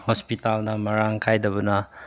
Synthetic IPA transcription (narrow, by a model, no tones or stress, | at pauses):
hospitalnɐmɐɾaŋkʰajdɐβɐnɐ